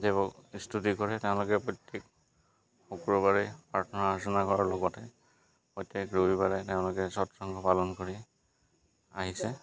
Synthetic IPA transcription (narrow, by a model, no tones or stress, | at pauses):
debɔkistʰutikɔɹɛteʊ̃lʊkɛpɔjtːek | xukɹɔbaɹipatʰɔnɔasinakɔɹaɹlɔɡɔtɛ | pɔjtekɹobibaɹɛteʊ̃lʊkɛsɔtɹaŋkʰɔpalɔnkoɹi | aɦisɛ